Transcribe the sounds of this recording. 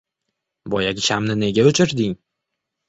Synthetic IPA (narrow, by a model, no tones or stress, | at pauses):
bɒjaɡʲɪʃamnɪne̞ɡʲaʊt͡ʃʰɪɾd̪ɪŋ